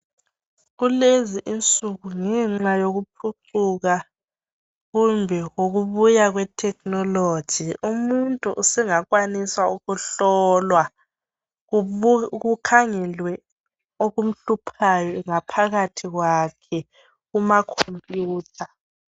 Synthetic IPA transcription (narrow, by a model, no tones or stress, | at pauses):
ɣuleziʔint͡sʼuɣuŋɛŋ͡ǁajoɣup̚ʰuǀuɣa | ɣumbʱɛɣoɣuβujaɣwɛtʰɛk̚ʼnɔlod̥ʒ̥ʱiumuntʼuʔːsɛŋaɣwaniswauɣuɬɔːlwa | ɣukʰaŋɛlwɛ | oɣum̩ɬupʰajɔŋapʰaɣatʰiɣwakʰɛ | ɣumakʰompʼjuːtʰa